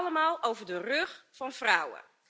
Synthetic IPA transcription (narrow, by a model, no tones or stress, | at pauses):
ləmaːlˠʔowvəɹdərøxfɑnfrawə̰